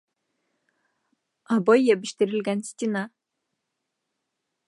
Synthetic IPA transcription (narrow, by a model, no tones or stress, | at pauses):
abojːebiʃt̪iɾilʲɡʲænsʲt̪ʲina